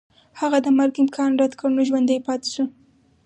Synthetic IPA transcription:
haɣad̪əmaɾɡɪmkʰɑnɾad̪kəɽnoʒwand̪əjpɑt̪ɪ̥su

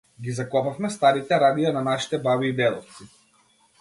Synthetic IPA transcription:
ɡʲizakɔpafmɛst̪aɾit̪ɛɾad̪ijananaʃi̥t̪ɛbabiːd̪ɛd̪ɔft̪si

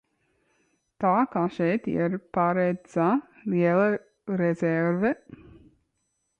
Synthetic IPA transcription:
t̪aːkaʃɛjt̪ḭɾpaɾɛd̪z̥aliɛlˠɨ | ɾɛzɛɾvɛ

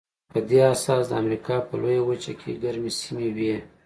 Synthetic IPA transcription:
pəd̪easɑsd̪əamɾikɑpəlojawət͡ʃakʰḛɡaɾmesimewe

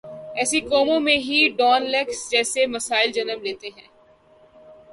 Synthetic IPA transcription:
ɛːsikɔːmõmẽɦiɖɔːnlɛksd͡ʒɛːsemɐsaːɪld͡ʒɐnəmleːt̪eɦɛ̰̃ː

